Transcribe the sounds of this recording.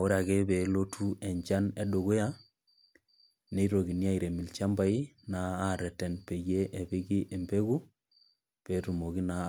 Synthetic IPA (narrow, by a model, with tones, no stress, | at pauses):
o˦ɾa˨ɣe˦be˨lo˦tʰu˦ɛ˨ɲd͡ʒa˦nɛ˦ɗo˨ɣo˦ja˦ | ne˦i˦ɾo˨ɣi˨nja˦i˨ɾe˨mi˨lt͡ʃa˦mba˦i˦ | naː˨˦˨ɾɛ˨tɛ˨npe˨ɣe˦ʔe˨bi˦ɣi˦ʔe˨mbe˦ɣu˦ | pe˨tu˨mo˨ɡi˦na˨